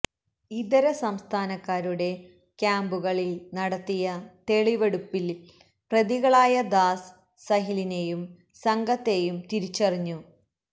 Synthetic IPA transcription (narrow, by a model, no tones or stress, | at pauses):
id̪ɐɾɐsɐmst̪ʰaːnɐkːaːɾuɽe̞ | kʲjaːmbuɣɐɭilnɐɽɐt̪ːijɐt̪e̞ɭiʋeɽupːil | prɐðiɣɐɭaːjɐd̪aːsː | ɐɦiline̞jum | sɐŋɡɐt̪ːe̞jumt̪iɾit͡ɕːɐriɲːu